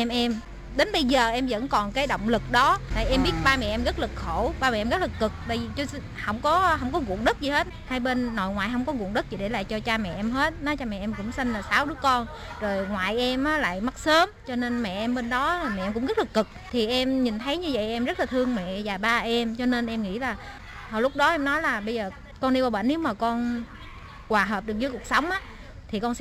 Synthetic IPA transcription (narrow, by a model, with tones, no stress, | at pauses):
ɛ˧mʔɛ˧m | ɗe˨˦nɓə˧jzəː˨˩ʔɛ˧mzə̰˧˥nkɔ˨˩nkaː˨˦jɗo̰˧˨wŋ͡mlɨ˨˩k̚ɗɔ˨˦t̪a̰ː˨jʔɛ˧mɓi˦˥ət̚ɓaː˧mɛ̰˨ʔɛ˧mɣə˦˥t̚lɨ˨˩k̚xo˧˩ɓaː˧mɛ̰˨˩ʔɛ˧mɣə˦˥lɨ˨˩kːɨ˨˩k̚ɓə˧jzi˨˩t͡ɕɔ˧ | hə˧˩wŋ͡mkɔ˨˦ɦə˧˩wŋ͡mkɔ˨˦ɣṵ˧˨əŋɗɨ˦˥t̚zi˨˩he˦˥t̚haː˧jɓe˧nːo̰˧˨jŋwaː˨jɦə˧wŋ͡mkɔ˨˦ɣṵ˧˨əŋɗɨ˦˥k̚zḭ˨˩ɗe˧˩la̰ː˧˨t͡ɕɔ˧t͡ɕaː˧mɛ̰˨ʔɛ˧mɦe˦˥t̚nɔ˨˦t͡ɕɔ˧mɛ̰˨ʔɛ˧mkʊ̰˧˥ŋ͡msi˧ŋlaː˨˩saː˨˦wɗɨ˨˦əkɔ˧n | zo˨˩jŋwa̰ː˨jʔɛ˧mʔaː˨˦la̰ː˧˨jma˦˥t̚səː˨˦mt͡ɕɔ˧ne˧nmɛ̰˧˨ʔɛ˧mɓe˧nɗɔ˨˦laː˨˩mɛ̰˨ʔɛ˧mkʊ̰˧˥ŋ͡mŋi˦˥t̚lɨ˨˩kːɨ˨˩k̚t̪ʰi˨˩ʔɛ˧mɲi˨˩nt̪ʰə˨˦jɲɨ˧və̰˧˨jʔɛ˧mzə˦˥t̚laː˨˩t̪ʰɨ˧əŋmɛ̰˧˨zaː˨˩ɓaː˧ʔɛ˧mt͡ɕɔ˧ne˧nʔɛ˧mŋḭ˧˥laː˨˩ | hɔ̰˧˩lʊ˦˥k͡p̚ɗɔ˨˦ʔɛ˧mnɔ˨˦jlaː˨˩ɓə˧jzəː˨˩ | kɔ˧nɗi˧wvaː˧wɓə̰˧˨ne˨˦wmaː˨˩kɔ˧n | kwaː˨˩ɦəː˨˩p̚ɗɨ˨˩ək̚zɨː˨˦jku˨˩ək̚sa˨˦wŋ͡mʔaː˨˦ | t̪ʰi˨˩kɔ˧n